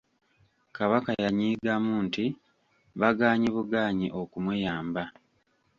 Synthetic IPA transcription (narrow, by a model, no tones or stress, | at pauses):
kaβakajaɲiːɡamuːnti | βaɡaːɲiβuɡaːɲiʔo̞kumujaːmba